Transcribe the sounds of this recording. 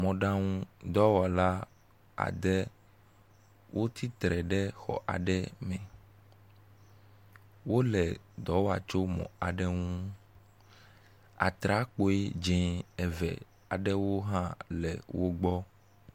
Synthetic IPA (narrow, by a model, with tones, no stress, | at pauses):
mɔ̃˨ɖã˦ŋũ˦d̪ɔ˦wɔ˨la˦ | a̰˨d̪ɛ˦ | wʔo˦t̪ʰi˦t̪ɾɛ˨ɖɛ˦xɔ̰˨ʔa̰˨ɖɛ˦mɛ̃˨ | wo˦lɛ˨d̪ɔ˨˦wa̰˨t͡ʃo˦mɔ̰̃˨a˨ɖɛ˦ŋũ˦ | a̰˨t̪ɾa˦k͡po˦e˦d͡ʒɛ̃˨ɛ˨vɛ̰˨ | a˨ɖɛ˦wo˦ɦã˦lɛ̰˨wo˦ɡ͡bɔ˦